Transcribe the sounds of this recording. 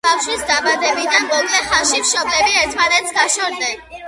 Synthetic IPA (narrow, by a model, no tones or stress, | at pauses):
bafʃwisd̪abad̪ɛbid̪anmɔɡʼlɛχanʃimʃɔblɛbiɛɾt̪ʰmanɛt̪sɡaʃɔɾd̪ɛn